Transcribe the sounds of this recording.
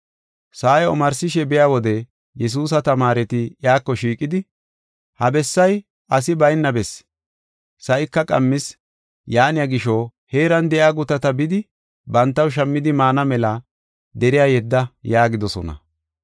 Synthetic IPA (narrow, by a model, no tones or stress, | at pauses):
saːjɔmɐɾsɪʃɛbɛjaːwɔd̪ɛ | jɛs̬uːs̬ɐt̪ɐmaːɾɛt̪ɪjaːkːɔʃiːkʼːɪd̪ɪ | hɐbɛsːɐj | ʔɐsɪbɐjnːɐbɛs | sɐʔɪkːɐkʼɐmːɪs | jaːnɪjaɡɪʃɔhe̞ːɾɐnd̪ɛʔjaːɡʊt̪ɐt̪ɐbɪd̪ɪ | bɐnt̪ːɐwʃ̬ɐmːɪd̪ɪmaːnɐmɛlɐ | d̪ɛɾɪjaːjɛd̪ːɐjaːɡɪd̪ɔsɔ̰nɐ̰